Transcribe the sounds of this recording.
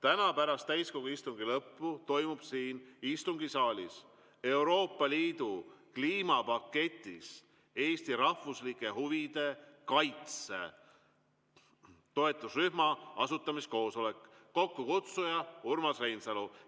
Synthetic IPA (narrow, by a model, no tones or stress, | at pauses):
t̪ænɑpæɾɑst̪æjsko̞ɡ̥uist̪uŋɡ̥ilɤpːut̪o̞jmub̥siːnist̪uŋɡisɑːlʲḭs | e̞wɾo̞ːpːˑɑliːd̪̥ukliːmɑpɑkːe̞t̪ʲːˑis | e̞ːst̪iɾɑhvuslikːˑe̞ɦuvid̪̥e̞kɑjt̪se̞̰ | t̪o̞e̞t̪ːˑusryhɦmɑɑsut̪ːˑɑmisko̞ːso̞le̞kː | o̞kːukut̪sujɑurmɑsrejnsɑlu